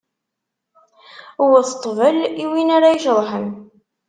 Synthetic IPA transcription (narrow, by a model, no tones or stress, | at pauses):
wəθə̥t̪ˤːvəliwinaɾaiʃɾˤħən